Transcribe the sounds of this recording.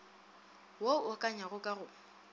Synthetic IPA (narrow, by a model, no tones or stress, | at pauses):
woʊkʼaɲaɣʊkʼaɣʊ